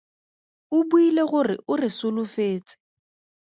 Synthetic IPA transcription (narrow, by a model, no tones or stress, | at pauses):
ʊbuileɣʊrɪ̰ʔʊrɪsʊlʊfeːt͡sʼɪ̥